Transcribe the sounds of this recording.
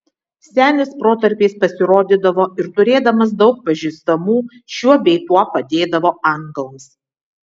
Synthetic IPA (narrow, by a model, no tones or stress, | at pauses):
sʲæːnʲɪspɾoːt̪ɐɾʲpʲeːspɐsʲɪɾoːd̪ʲɪd̪ɐʋoːɪɾt̪ʊɾʲeːd̪ɐmɐs̬d̪ɒʊk̚pɐʒʲiːst̪ɐmuː | ʃʲuɔbʲɛɪt̪uɔpɐd̪ʲeːd̪ɐʋoːɐŋɡɐlˠs